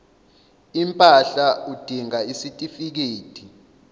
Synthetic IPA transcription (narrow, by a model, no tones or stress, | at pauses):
impʼaɬaud̥ʱiŋaisitʼifik̬eːtʰʼi